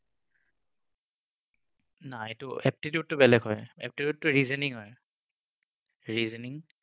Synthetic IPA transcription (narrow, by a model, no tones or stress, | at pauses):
naetʊɛp̚titiut̚ːʊbɛlɛɡɦɔjɛ̰p̚titjutːʊɹizɛniŋɦɔj | ɹizeniŋ